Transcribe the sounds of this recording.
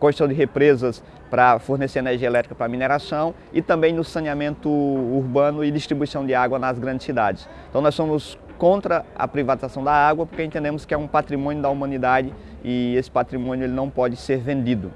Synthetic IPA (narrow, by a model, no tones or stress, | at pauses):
kõʃsɐ̃w̃d͡ʒɪɦepɾezɐs | pɾɐfoɾneseɾeneɾʒiɐelɛt̪ɾikɐpɾɐmineɾasɐ̃w̃ | ɪt̪ɐ̃mbẽj̃nʊsɐ̃niamẽnt̪ʊuɾbɐ̃nʊɪd̪ist̪ɾibuisɐ̃w̃d̪ɪaɡwɐnɐzɡɾɐ̃ndd͡ʒɪsid̪ad͡ʒɪsẽt̪ɐ̃w̃nɔsõmʊs | kõnt̪ɾɐɐ̰pɾivat̪izasɐ̃w̃d̪ɐaɡwɐpoɾkẽnt̪ẽnd̪ẽmʊskɪɛũpat̪ɾimõnjʊd̪ɐumɐ̃nid̪ad͡ʒɪ | ɪesɪ̥pat̪ɾimõnjʊelɪnɐ̃w̃pɔd͡ʒɪseɾvẽnd̪id̪ʊ